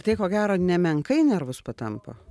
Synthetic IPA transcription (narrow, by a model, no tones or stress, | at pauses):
t̪ɐɪkoːɡʲæːɾoːnʲɛmʲɛŋkɐɪnʲɛɾʋʊspɐt̪ɐmpo̰